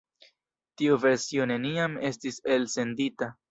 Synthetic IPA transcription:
tiuve̞ɾsio̞ne̞niame̞stise̞lse̞ndita

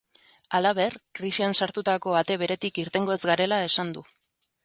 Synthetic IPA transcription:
alaβ̞e̞rkɾisiensaɾt̪ut̪ako̞at̪e̞β̞e̞ɾe̞t̪ikiɾt̪e̞ŋɡo̞ezɡaɾe̞lae̞sand̪u

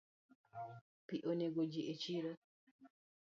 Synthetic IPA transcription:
piʔoneɡod͡ʒiʔet͡ʃiɾa

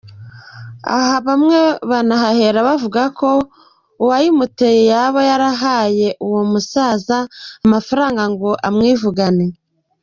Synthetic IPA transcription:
a̰ɦaβamŋe̞βanaɦahe̞ɾaβavuɡakʰo̞ | uwajimute̞jejaβojaɾaɦaːje̞ʔuwomusaːzaːmafaɾaːŋɡaŋɡo̞ʔamŋiːvuɡane

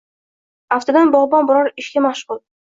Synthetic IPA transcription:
aft̪ʰad̪anbɒʁbɒnbʊɾɒɾɪʃkʲamaʃʁʊlˠ

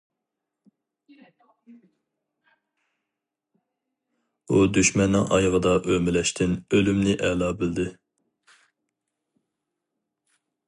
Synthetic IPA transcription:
ud̪yʃmɛnːɪŋʔɑ̰jʁəd̪ɑʔømɪlɛʃt̪ʰɪnølymnɪʔɛlˠɑːbɪld̪ɪ

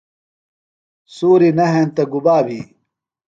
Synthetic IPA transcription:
suːɾinɐɦent̪ɐɡubaːbʱi

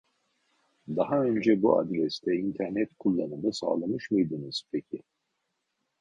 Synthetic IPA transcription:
d̪aɦaø̞nd͡ʒɛbuʔa̰d̪ɾɛst̪ʰɛint̪ʰɛɾnɛt̪kʰulˠːanɯnɯsa̰ːlˠamɯʃmɯjd̪ɯnɯz̥pʰecʰɪ

